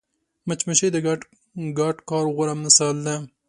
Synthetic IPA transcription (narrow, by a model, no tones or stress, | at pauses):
mət͡ʃməʃed̪əɡ | ɡɑʈkɑːɾɣʊɾamnasɑld̪a